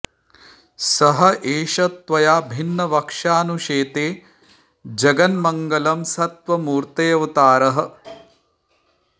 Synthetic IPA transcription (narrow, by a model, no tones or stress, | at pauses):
sɐɦɐʔeːʃɐt̪ʋɐjaːbʱinːɐʋɐkʂaːnuʂeːt̪eː | d͡ʒɐɡɐnmɐŋɡɐlɐmsɐt̪ʋɐmuːɾt̪ɐjɐʋɐt̪aːɾɐɦɐ̆